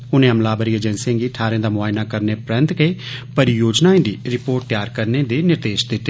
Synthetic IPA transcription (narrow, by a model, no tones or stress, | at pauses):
ʊnẽːəmlaːbəɾiːeːd͡ʒɛnsẽːɡiːʈʰaːɾẽːd̪aːmʊaːjnaːkəɾneːpɾɛ̃nt̪ɡəeːpəɾjoːd͡ʒnaːẽːd̪iːɾɪpoːɾʈ̚t̪ɪjaːɾkəɾneːd̪eːnɪɾd̪eːʃd̪ɪt̪ːeː